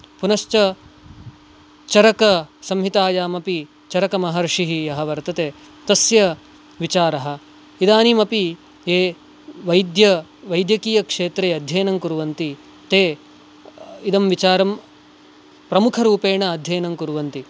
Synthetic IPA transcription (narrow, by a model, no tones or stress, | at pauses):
punɐʃt͡ʃɐ | t͡ʃɐɾɐkɐsɐmɦit̪aːjaːmɐpi | t͡ʃɐɾɐkɐmɐɦɐɾʂiɦijɐɦɐ̆ʋɐɾt̪ɐt̪eː | t̪ɐsjɐ | ʋit͡ʃaːɾɐɦɐ̆ | id̪aːnimɐpi | eː | ʋɐjd̪jɐʋɐjd̪jɐkijɐkʂeːt̪ɾeːɐd̪ʱjɐjɐnɐŋkuɾuʋɐnt̪i | t̪eː | id̪ɐmʋit͡ʃaːɾɐm | pɾɐmukʰɐɾuːpeːɳɐːd̪ʱjɐjɐnɐmkuɾuʋɐnt̪i